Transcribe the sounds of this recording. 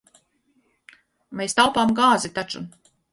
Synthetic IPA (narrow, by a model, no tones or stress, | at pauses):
meːst̪alˠpaːmɡaːzit̪at͡ʃu